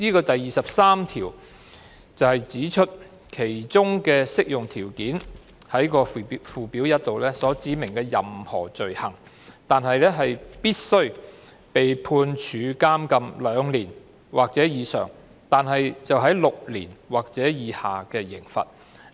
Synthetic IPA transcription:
niː˥kɔː˧t̪ɐ˨jiː˨sɐ˨p̚saː˥mt̪ʰiː˨˩w | t͡sɐ˨whɐ˨jt͡siː˨˥t͡ʃʰɵ˥t̚ | kʰe˨˩jt͡sʊ˥ŋkɛː˧sɪ˥k̚jʊ˨ŋt̪ʰiː˨˩wkiː˨˥n | hɐ˨˥jkɔː˧fuː˨piː˨˥wjɐ˥t̚t̪o˨wlɛː˥sɔː˨˥t͡siː˨˥mɪ˨˩ŋkɛː˧jɐ̰˨mhɔ̰ː˨˩t͡ʃɵ˨ɥhɐ̰˨˩ŋ | t̪aː˨nɦɐ˨jlɛː˥ɦɐ˨jpiː˥t̚sɵ˥ɥ | pe˨jpʰuː˧nt͡ʃʰyː˨˧kaː˥mkɐ˧mlœː˨˧ŋliː˨˩n | waː˨k̚t͡sɛː˨˥jiː˨˧sœ̰ː˨˩ŋ | t̪aː˨nɦɐ˨jt͡sɐ˨wɦɐ˨˥jlʊ˨k̚lḭː˨˩nwaː˨k̚t͡sɛː˨˥jiː˨˧ha̰ː˨kɛː˧jɪ˨˩ŋfɐ̰˨t̚

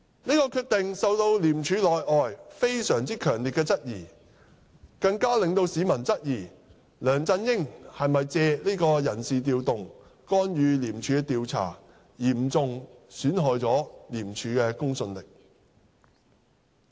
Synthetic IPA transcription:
niː˥kɔː˧kʰyː˧t̚t̪ɪ˨ŋsɐ˨˧wt̪o˧wliː˨˩mt͡ʃʰyː˨˧lɔː˨jʔɔː˨jfe˥jsœː˨˩ŋt͡siː˥kʰœː˨˩ŋliː˨t̚kɛː˧t͡sɐ˥t̚jiː˨˩ | kɐ˧ŋkaː˥lɪ˨˧ŋt̪o˧wsiː˨˥mɐ˨˩nt͡sɐ˥t̚jiː˨˩ | lœː˨˩ŋt͡sɐ˧njɪ˥ŋhɐ˨jmɐ˨jt͡sɛː˧liː˥kɔː˧jɐ˨˩nsiː˨t̪̬iː˧wt̪ʊ˨ŋ | kɔː˥njyː˨˧liː˨˩mt͡ʃʰyː˨˧kɛ˧t̪iː˨˧wt͡sʰa̰ː˨˩ | jiː˨˩mt͡sʊ˨˧ŋsyː˨˥nɦɔː˨jt͡sɔː˨˥liː˨˩mt͡ʃʰyː˨˧kɛː˧kʊ˥ŋsɵ˧nlɪ˨k̚

